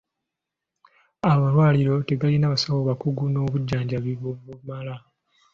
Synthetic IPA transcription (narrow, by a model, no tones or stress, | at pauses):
amalwaːliɾo̞te̞ɡalinaːβasawoβakuɡuno̞ːβuɟːaːɲɟaβiβoβumala